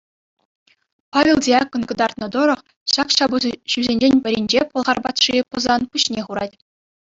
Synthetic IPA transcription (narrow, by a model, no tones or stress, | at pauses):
pɑvʲelˠdʲiɑkŏnɡɤ̆d̪ɑrt̪nɤ̆d̪oɾŏχ | ɕɑkɕɑbuɕyzʲenʲd͡ʑenʲbʲɘ̆ɾʲinʲd͡ʑepɤ̆lˠʁɑrbɑt̪ʂipɤ̆zɑnpuɕnʲeχuɾɑ̰tʲ